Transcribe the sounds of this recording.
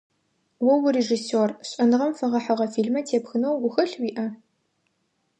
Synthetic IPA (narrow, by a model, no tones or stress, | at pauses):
wɐwʊreʒisoːrɕʼɐnɨʁɐmfɐʁɐħɐʁɐfiːɮmɐtʰeːpxɨnɐwːʊxɐɬwiːʔɐ